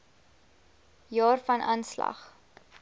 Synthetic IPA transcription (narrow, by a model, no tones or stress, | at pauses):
jɑːrfɐnʔɑːnslɐ̰χ